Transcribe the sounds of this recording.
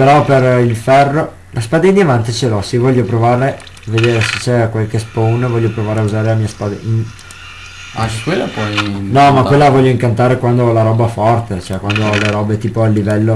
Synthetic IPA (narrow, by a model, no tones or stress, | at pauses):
peɾɔperilfɛrːo | lʔaspaːd̪ed̪iavant̪it͡ʃelɔsevɔʎːopɾovaːɾe | avːed̪eːɾese̥t͡ʃːɛkwalkesponvɔʎːopɾovaːɾeauzaːɾelamiːaspaːd̪e | aŋkkwelːapwɔjnɔmakwelːavɔʎːoiŋkant̪aːɾekwand̪olaɾɔːbaɛfɔrt̪et͡ʃoɛkwand̪oleɾɔːbet̪iːpoalːivɛlːo